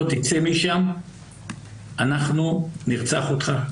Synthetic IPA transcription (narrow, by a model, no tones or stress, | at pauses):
ot̪it͡se̞miʃam | anaχnuniʁt͡sa̰χot̪χa